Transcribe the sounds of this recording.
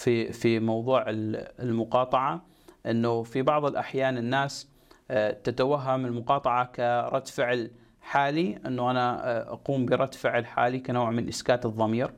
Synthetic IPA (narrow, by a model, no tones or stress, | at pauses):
fifimɑwðˤuːʕɪllmʊqɑːt̪ˤɑʕa | ʔɪnːufibɑʕðˤɨlʔaħjaːnɪnːaːs | t̪at̪awaɦːamɪlmʊqɑːt̪ˤɑʕɑkaɾˤɑt̪ːfɪʕl | ħaːliʔɪnːuʔanaʔɑ̰quːmbɪɾˤɑd̪fɪʕlħa̰ːlikanoːʕmɪnʔɪskaːt̪ɨðˤːɑmiːɾ